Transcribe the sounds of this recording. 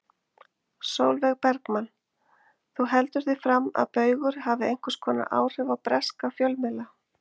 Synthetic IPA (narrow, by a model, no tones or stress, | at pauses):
soːwlvɛɣpɛɾkmanː | θuɦɛlt̪ʏɾ̥θifɾamːa̰ðpœːɥɣʏɾ̥havðɪejŋ̥kḁskʰɔːna̰ʔa̰ːwr̥ɛvawpɾɛskafjœlmɪla